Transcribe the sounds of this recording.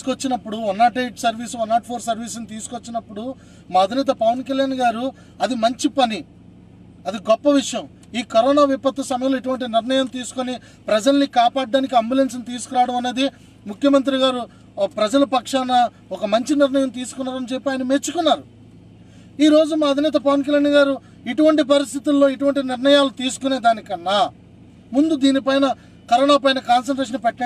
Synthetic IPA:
kot͡ʃːinɐpːuɽuɔnːaːʈejʈsɐɾʋiːsuɔnːaːʈpʰoːɾsɐɾʋiːs̬unit̪̬iːsu̥kot͡ʃːinɐpːuɽu | maːɐd̪ʱinɛːt̪̬ɐpɐʋɐnkɐljaːnɡaːɾu | ɐd̪imɐɲt͡ʃipɐni | ɐd̪iɡɔpːɐʋiʂɐjɐm | iːkɐɾɔːnaːʋipɐt̪ːɐsɐmɐjɐlːeʈ̬uʋɐɳʈ̬iniɾnɐjɐmt̪iːsu̥koni | pɾɐd͡ʒɐlnikaːpaːɽɖaːnikiɐmbjulensɐnit̪iːsu̥kuɾaːɽɐmɐnːeːd̪i | mukʰjɐmɐnt̪̬ɾiɡaːɾu | pɾɐd͡ʒɐlɐpɐkʂanɐ | ɔkɐmɐɲt͡ʃiniɾnɐjɐmt̪iːsu̥kunːaːɾɐnɐt͡ʃe̞pːiaːjɐnɐmet͡ʃːukunːaːɾu | iːɾo̞ːd͡ʒumaːɐd̪ʱinɛːt̪̬ɐpɐʋɐnk̬ɐljaːɳiɡaːɾu | iʈuʋɐɳʈip̬ɐɾist̪ʰit̪ulːo̞ːiʈuʋɐɳʈiniɾnɐjaːlut̪iːs̬u̥kune̞ːd̪aːnikɐnːɐ | mund̪ud̪iːnipɐjnɐ | kɐɾɔːnaːpɐjnɐkaːns̬ɐɳʈɾeːʂ̬ɐnpɛʈːɐ

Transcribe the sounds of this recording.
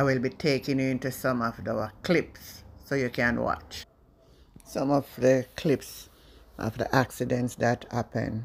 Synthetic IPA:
awilbitʰeːkɪ̃ŋɪ̃ntusʌ̃mɔvdəklɪpsːojukæ̃nwɑ̰t͡ʃ | sʌ̃mɔvðəkʰlɪps | ʔɔ̰vdə̰ʔæksidɛ̃ntsðæthæpə̰̃n

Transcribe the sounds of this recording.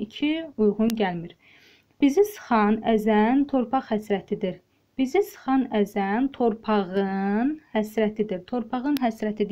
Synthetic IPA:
icʰiujʁunɟælmiɾ | b̥izisɯ̥χɑnæzænt̪ʰo̞ɾpʰɑχhæsɾæt̪ʰid̪iɾ | b̥izisɯ̥χɑnæzænt̪ʰo̞ɾpʰɑʁɯnhæsɾæt̪ʰid̪iɾt̪ʰo̞ɾpʰɑʁɯnɦæsɾæt̪ʰid̪

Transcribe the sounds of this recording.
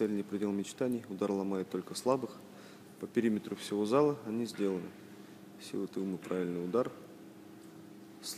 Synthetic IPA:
sɛlʲɪnʲɪjpɾʲɪdʲe̞lˠmʲɪt͡ɕt̪anʲɪjʊd̪arlˠɐmajɪt̪ːo̞lʲkəslˠabɨx | pəpʲɪɾʲimʲɪt̪ɾʊfsʲɪvo̞zalˠəɐnʲizʲdʲe̞lˠənɨ | sʲḭlˠɨt̪ɨlˠmɨpɾʔavʲɪlʲnɨjʊd̪ar | sʲ

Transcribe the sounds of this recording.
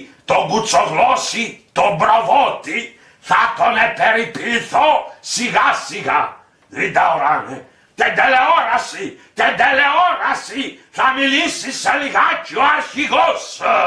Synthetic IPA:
t̪ɔɡut̪sːɔklɔsit̪ɔbɾɔvɔt̪ːi | fat̪ːɔnɛpːɛɾipːiliθɔsiɣasiɣa | lid̪awɾanɛ | t̪ɛd̪ɛlːɛɔɾasit̪ɛd̪ːɛlːɛɔɾasifamilisːisalikat͡ʃːuaʃiɣɔs

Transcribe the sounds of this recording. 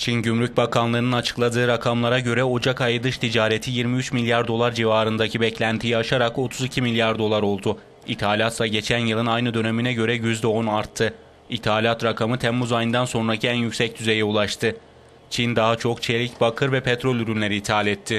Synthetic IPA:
t͡ʃʰinɟymɾyc̚bakʰanlˠɯːnɯnat͡ʃʰɯ̥klˠad̪ɯːɾakʰamlˠaɾaɟø̞ɾɛod͡ʒakajɯd̪ɯʃt̪ʰid͡ʒaːɾet̪ʰijiɾmiyt͡ʃmilʲjaɾd̪o̞lˠaɾd͡ʒivaːɾɯnd̪acʰibɛclʲænt̪ʰijiaʃaɾako̞t̪ʰuzicʰimilʲjaɾd̪o̞lˠaɾo̞lˠd̪ʊ | it̪ʰaːlʲat̪lˠaɟe̞t͡ʃʰænjɯlˠɯnajnɯd̪ø̞neminɛɟø̞ɾɛjyzd̪ɛo̞naɾt̪ʰːɯ | it̪ʰaːlʲat̪ɾakʰamɯt̪ʰɛmːuzajɯnd̪anso̞nɾacʰiænjycsɛc̚t̪ʰyze̞jɛulˠaʃt̪ʰɯ | t͡ʃʰind̪aɦat͡ʃʰo̞kt͡ʃʰelʲicbakʰɯɾvɛpʰɛt̪ɾo̞lʲyɾynlʲe̞ɾiːt̪ʰalʲɛt̪ʰːɪ

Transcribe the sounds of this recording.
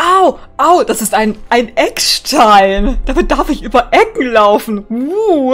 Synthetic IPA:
ʔoʊʔoʊd̥asɪstʔaɪnʔaɪnʔɛkʃtʰaɪnd̥amɪt̚d̥aɐfɪçʔyːbɐʔɛkŋ̩laʊfn̩u

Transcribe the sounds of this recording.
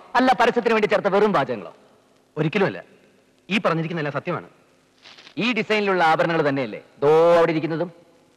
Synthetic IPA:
ɐlːapɐɾɐsɐt̪̬ːinʋeɳɖit͡ɕːert̪ːɐʋerumbaːd͡ʑɐɣɐŋːɐɭo̰ː | o̞ɾikʲːɐlumɐlːɐ̰ | iːpɐrɐɲːiɾikʲːunːɐlːaːsɐt̪jɐma̰ːɳɨ̰ | iːɖisɐjniluɭːɐaːbɐɾɐɳɐŋːɐɭt̪ɐnːe̞jɐlːḛd̪oːɐʋiɽeiɾikʲːunːɐðum

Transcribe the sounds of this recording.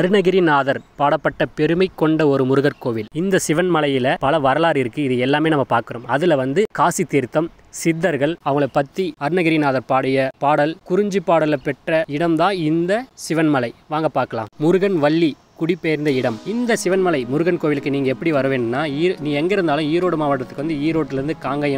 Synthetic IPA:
ɐɾɯnɐɣɪɾinaːðɐɾpaːɽɐpːɐʈːɐpɛɾɯmɐɪkːɔɳɖɐɔɾɯmʊɾɯɣɐɾkoːʋɪlɪnd̪ɐsɪʋɐnmɐlɐjɪlɐpɐlɐʋɐɾɐlaːɾɪɾɯkːɯɪðɯɛlːaːmeːnɐmːɐpaːɾkɯɾoːmɐðɪlɐʋɐnd̪ɯkaːsit̪ːiːɾt̪ːɐm | sɪd̪ːɐɾɣɐɭɐʋɐŋɡɐɭɯpɐt̪ːiɐɾɯnɐɣɪɾinaːðɐɾpaːɽɐjɐpaːɽɐlkʊɾɪɲd͡ʒipːaːɽɐlɐpɛʈrɐɪɽɐmd̪ãːɪnd̪ɐsɪʋɐnmɐlɐɪʋaːŋɡɐpaːɾkɐlã̰ːmmʊɾɯɣɐnʋɐɭːi | kʊɽɪpːeːɾnd̪ɐɪɽɐmɪnd̪ɐsɪʋɐnmɐlɐɪmʊɾɯɣɐnkoːʋɪlɯkːɯniːŋɡɐɛpːɐɽiʋɐɾɯʋeːnːɯnːaːiːɾniːɛŋɡɐɪɾɯnd̪aːlʊ̃iːɾoːɽɯmaːʋɐʈːɐt̪ːɯkɯʋɐnd̪ɯiːɾoːʈːɪlɪɾɯnd̪ɯkaːŋɡɐjɐ

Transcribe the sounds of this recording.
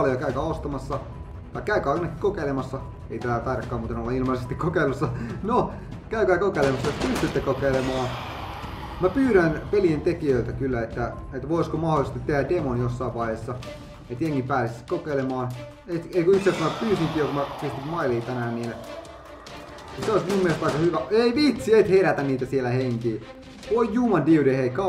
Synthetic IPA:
ljokæykæːost̪ɑmɑsːɑ | t̪ɑikæykæːinɑkːi̥kokeilemɑsːɑ | eit̪æːæt̪ɑiɾɑkːɑːmuːt̪enolːɑilmɑisest̪ikokeilːusːɑno | kæykæːkokeilemɑsːɑet̪pyst̪yt̪ːekokeilemɑː | mæpyːɾænpelient̪ekiøilt̪ækylːæet̪ːæet̪ːʋoˑiskomɑholisest̪it̪ːehædemonjosːɑiʋʋɑihesːɑ | et̪jeŋːipæːsiskokeilemɑːn | et̪eikoit̪seɑsmæpyːsiŋkiːjokumæpiest̪it̪mɑiliːt̪ænæːnniːn | niseoismiumːiest̪ɑikɑhyʋæeiʋit̪siet̪heɾæt̪ænniːt̪æsielæheŋkiː | ʋoijjuːmɑndiuɾeheikɑ

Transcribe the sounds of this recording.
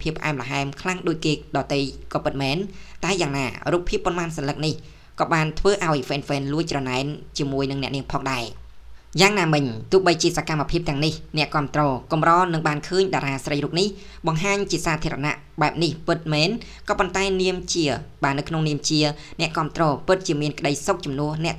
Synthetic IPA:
pʰiəpʰːʔa̰ɛmlaɦaɛmkʰlaŋɗoːc̚keːɗɑːt̪ɨjkɑːpɨt̪̚mɛːnt̪aɛjaːŋna̰ːruːpʰːiəpːŏənmaːnsɑnlɨk̚nih | kɑːɓaːnt̪ʰʋəːʔaɔjfɛːnfɛːnluəc̚t͡ɕrɑnaɛnt͡ɕiəmuəjnɨŋnɛ̆əʔniəmpʰɑːŋɗaɛjaːŋnaːmɨɲt̪ʊ̆əhɓəjt͡ɕiəsakamːapʰiəp̚t̪ɛ̆əŋnihnɛ̆əʔkŏəmt̪rɔːkumrɑːnɨŋɓaːnkʰəːɲɗaːɾaːsrəjɾuːp̚nih | ɓɑŋɦaːɲt͡ɕiəsaːt̪ʰiəɾɑna̰ʔ | ɓaɛp̚nihpɨt̪̚mɛːn | kɑːpont̪aɛniəmt͡ɕiəɓaːnɨwkʰnoŋniəmt͡ɕiənɛ̆əʔkŏəmt̪rɔːpɨt̪̚t͡ɕiəmiənkə̆ɗəjsok̚t͡ɕɑmnʊəhnɛ̆əʔ

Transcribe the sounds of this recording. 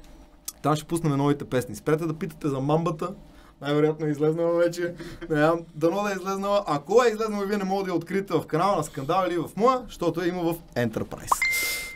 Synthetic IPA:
t̪amʃɛ̥pusnɐmɛnɔvit̪ɛpɛsnispɛɾɛt̪ɛd̪ɐpit̪ə̥t̪ɛzɐmambət̪ə | najvɛɾojat̪noɛizlɛznəlˠɐvɛt͡ʃɛnɛzʲamd̪ɐnɔd̪ɐɛizlɛznəlˠəʔɐkoɛizlɛznəlɐviɛnɛmɔɡəd̪ɐɛot̪kɾit̪ɛvɐfkɐnalˠɐnɐskɐnd̪alˠilivɐfmɔjəʃt̪ot̪oɛimɐvɐfɛnt̪ɛ̰ɾpɾa̰js

